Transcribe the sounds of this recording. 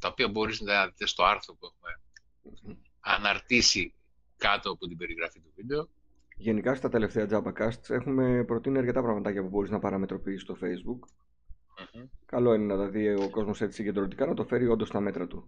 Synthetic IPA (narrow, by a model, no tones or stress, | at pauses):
t̪ɐopiɐbo̞ɾiznɐt̪ɐðit̪est̪oɐɾθɾopuexume̞ | ɐ̰nɐɾt̪isi | kɐt̪oput̪ibe̞ɾiɣɾɐfit̪uvid̪e̞o | ʝe̞nikɐst̪ɐt̪e̞le̞ft̪e̞ɐd͡zɐbɐkɐst̪se̞xume̞pɾo̞t̪iniɐɾce̞t̪ɐpɾɐɣmɐt̪ɐcɐpubo̞ɾiznɐpɐɾɐme̞t̪ɾo̞piːsi̥st̪o̞fe̞izbuk | kːɐlo̞inenɐt̪ɐðioko̞zmo̞set̪i̥siɲɟe̞nd̪ɾont̪ikɐnɐt̪o̞fe̞ɾio̞nd̪o̞st̪ɐme̞t̪ɾɐt̪u